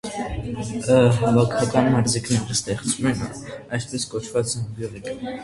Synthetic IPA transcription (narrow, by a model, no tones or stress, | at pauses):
əɦbɑkʰɑkɑnmɑɾziknɛɾəst̪ɛχt͡svumɛn | ɑjspɛskɔt͡ʃʰvɑt͡sɛbjuʁikə